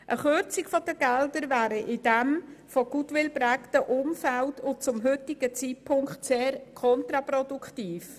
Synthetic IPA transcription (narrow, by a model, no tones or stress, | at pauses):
ʔəχʏɾt͡sɪkfɔdəɡ̥ɛldəɾvæːɾəʔɪdɛmfoɡ̥utwɪlbɾæktəʔʊmfæltʰʊnt͡sʊmɦʏtɪɡ̥ət͡siːt̚pʰʊŋkχtseːɾkʰɔntɾɑpɾɔdukʰtiːf